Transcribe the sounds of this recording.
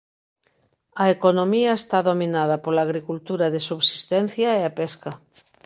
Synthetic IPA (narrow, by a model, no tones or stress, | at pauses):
ɐekonomiɐest̪aðominað̞ɐpolaːɣɾikult̪uɾɐðɪsuβsi̥st̪ɛn̟θjɐeapɛskɐ